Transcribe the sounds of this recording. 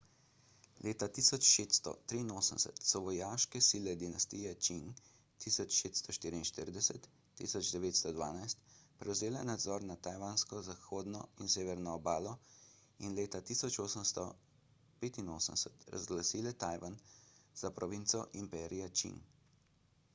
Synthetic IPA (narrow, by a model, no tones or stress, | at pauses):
lʔeːt̪at̪iːsɔt͡ʃʃet̪st̪ɔ̰t̪ɾiːnoːsəmsɛ̰t̪sɔʋɔjaʃkɛsiːlɛd̪inast̪ijɛt͡ʃin | t̪isɔt͡ʃːʃet̪st̪ɔʃt̪iːɾiinʃt̪iɾid̪ɛsɛt̪ː | ḭsɔd͡ʒd̪ɛʋeːt̪st̪ɔd̪ʋa̰ːnajst̪pɾʔɛwzeːlɛnad̪zɔɾnat̪ajʋanskɔzaxoːd̪nɔinseːʋɛɾnɔːbaːlɔ | inleːt̪at̪iːsɔt͡ʃoːsəmst̪ɔ | peːt̪inoːsəmsət̪ɾa̰zɡlasiːlɛt̪aːjʋanz̥apɾɔʋint̪sɔʔimpɛːɾijat͡ʃḭn